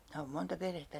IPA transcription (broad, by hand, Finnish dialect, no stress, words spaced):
minæ oːm montɑ perhetːæ